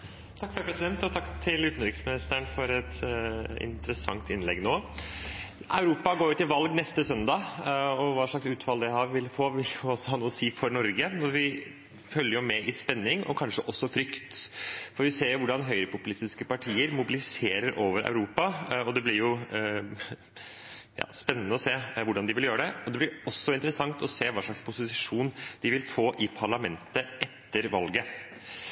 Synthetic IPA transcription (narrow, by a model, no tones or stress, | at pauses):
t̪ʰɑkfɾəpʰɾɛsɪd̪ɛnt̪ɔt̪ʰɑkːt̪ʰɪlʉːt̪n̩ɾɪksmɪnɪst̪æɳfɔɾɛt̪ɪ̰nt̪əɾəsɑ̰ŋt̪ɪnlɛ̰ɡnoː | ʔæʉɾuːpɑɡoːɾjʊt̪ːɪlʋɑlɡnɛst̪əsœnd̪ɑɔʋɑːʂɭɑksʉːt̪fɑld̪æɪɦɑːɾʋɪlfoːʋɪljʊɔsːɔhɑːnuːəsiːfɔɾnɔɾɡənɔɾʋɪ | fœlːəɾjʊmɛʔɪspɛnːɪŋʔɔ̰kʰɑnʂəʔɔsːɔfɾʏkt̪fɔɾʋɪseːɾjʊʋʊɖɑnɦœʏɾəpʊpʉlɪst̪ɪskəpɑʈʰiːəɾmʊbɪlɪseːɾəɾʔoːʋəɾœ̰ʉɾuːpɑɔd̪ɛblɪɾjʊ | jɑ̰ːspɛnːənəɔseːʋʊɖɑnd̪ɪʋɪljøːɾəd̪ɛɔd̪ɛblɪɾɔsːɔɪnt̪əɾəsɑŋt̪ɔseːʋɑːʂɭɑkspʰʊsɪsɪʂuːnd̪̥ɪʋɪlfoːʔɪpʰɑɭɑmɛnt̪əʔɛt̪ʰːəɾʋɑlɡə